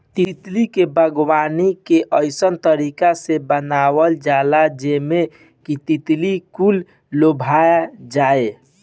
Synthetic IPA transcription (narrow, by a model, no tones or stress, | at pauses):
t̪it̪likebʱəɡwanikeʔəɪsənt̪əɾikasebənawəld͡ʒalad͡ʒeme | kit̪it̪likulː | obʱajad͡ʒae